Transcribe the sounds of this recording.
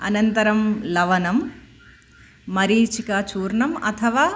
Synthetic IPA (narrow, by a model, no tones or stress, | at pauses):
ɐ̰nɐnt̪ɐɾɐmlɐʋɐnɐm | ɐɾiːt͡ʃikɐt͡ʃuːɾɳɐmɐ̰t̪ʰɐʋaː